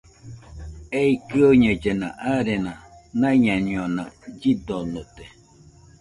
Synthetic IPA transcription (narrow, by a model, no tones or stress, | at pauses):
eikioɲə̃d͡ʒenã̰ʔaɾenãnãɲãɲĩonã̰d͡ʒid̪onot̪e